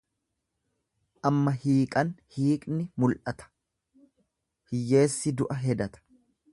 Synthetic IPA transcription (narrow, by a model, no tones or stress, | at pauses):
ʔɐmːɐhiːkʼɐnhiːkʼnɪmʊlʔɐt̪ʰɐ̥ | hɪjːe̞ːsːɪd̪ʊʔɐɦɛd̪ɐt̪ɐ̥